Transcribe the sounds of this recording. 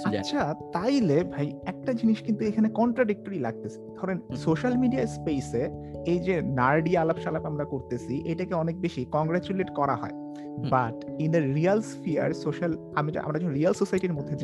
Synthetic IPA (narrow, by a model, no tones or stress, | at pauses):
aːʃʰat̪ajlebʱajɛk̚ʈad͡ʑiniʃkint̪uekʰanekɔɳʈɾaɖik̚ʈoɾilaɡ̚t̪esʰi̥d̪ʱɔɾensoʃalmiɖiaspeseejd͡ʑenaɾɖialabʃalapamɾakoɾt̪et͡ɕʰiʔejʈakeɔnek̚beʃikɔŋɡɾat͡ɕuleʈkɔɾa̰ɦɔ̰e | baʈind̪əɾialsfʰia̰ɾsoʃal | a̰mḭʔa̰mɾad͡ʑonoɾialsosajʈiɾmod̪ʱːe